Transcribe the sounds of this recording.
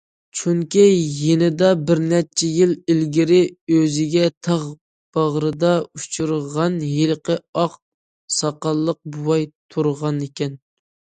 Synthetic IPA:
t͡ʃʰuŋkʲijenɪd̪ɑbɪɾnɛt͡ʃʰɛjɪlɪlɡʲɪɾɪøzɪɡʲɛt̪ʰɑʁ | b̥ɑʁɾɨd̪ɑut͡ʃʰuɾʁɑnjelˠqəɑq | sɑqɑlˠːəq̚buwɑjt̪ʰuɾʁɑnekʲɛn

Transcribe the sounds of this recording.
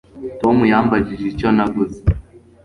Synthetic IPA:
tomujaːmbaɟiʒiconaɡuzi

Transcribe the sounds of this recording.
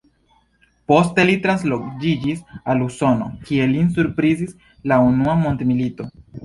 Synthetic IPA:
po̞ste̞litɾans̬lod͡ʒid͡ʒisaluso̞no̰kie̞linsuɾpɾizis | launuamo̞ntemilito̞

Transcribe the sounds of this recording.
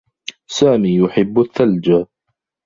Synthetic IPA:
saːmiːjʊħɪbːθːald͡ʒa

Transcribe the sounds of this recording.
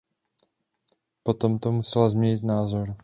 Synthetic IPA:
po̞t̪omt̪omusɛlazmɲɛɲɪt̪naːzoɾ

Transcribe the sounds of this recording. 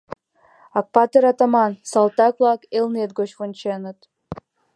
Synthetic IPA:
ɑk̚pɑt̪eɾɑt̪ɑmɑnsɑlˠt̪ɑkvlˠɑkelˠnet̪̚ɡot͡ɕvonʲt͡ɕenə̆t̪

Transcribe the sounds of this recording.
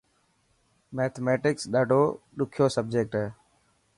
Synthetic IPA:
meːt̪ʰmeːʈɪksɗaːɖʱoːɗʊkʰjoːsəb̚d͡ʒeːk̚ʈɦɛː

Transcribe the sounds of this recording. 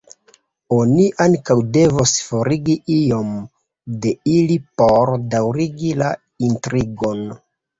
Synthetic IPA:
o̞niʔaŋkawde̞vosfo̞ɾiɡiʔijo̞m | de̞ilipo̞ɾdawɾiɡila | intɾiɡo̞n

